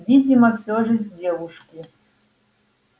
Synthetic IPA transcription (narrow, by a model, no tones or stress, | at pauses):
vʲid͡zʲimɐfsʲoʐɨzʲdʲevuʂkʲi